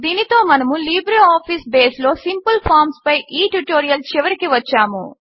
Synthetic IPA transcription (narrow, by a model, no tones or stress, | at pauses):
d̪iːnit̪o̞ːmɐnɐmuliːbɾiaːpʰiːsbeːslo̞ːsimpulpʰaːɾmspɐjʔiːʈuʈoːɾijɐlt͡ʃiʋɐɾikiʋɐt͡ʃːaːmṵ